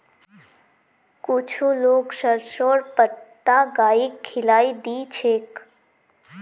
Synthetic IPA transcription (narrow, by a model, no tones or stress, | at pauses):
kut͡ʃʰuloːkʃəɾʃoːɾpət̪ːaɡaːikʰːɪlaːid̪it͡ʃʰeːk